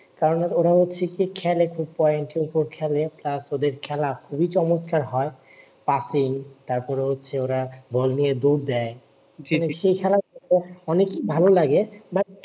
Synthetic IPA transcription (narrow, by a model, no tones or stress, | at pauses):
kaɾonoɾaɦotːɕʰekikʰɛlekʰub̚pɔeeɳʈiupoɾkʰɛleplasod̪eɾkʰɛlakʰubit͡ɕɔmot̪̚kaɾɦɔe | pasiŋt̪aɾpɔɾeɦotːɕʰeoɾabʱɔlnijed̪oɾd̪ɛe | ʃejkʰɛlaɔeɔnekibʱalolaɡeba